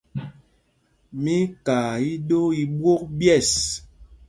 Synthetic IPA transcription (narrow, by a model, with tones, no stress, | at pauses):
mi˦ka˨i˦ɗo˦i˨bwo˦k̚bjɛ˦˨s